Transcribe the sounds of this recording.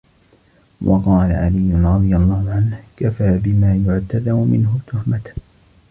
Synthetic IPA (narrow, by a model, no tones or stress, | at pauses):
wʔɑqɑːla̰ʕalijːʊnɾˤɑd̪ˤɨjalˤːɑːhʊʕanhkafaːbɪmaːjʊʕt̪aðamʊmɪ̰nɦʊt̪ʊhmat̪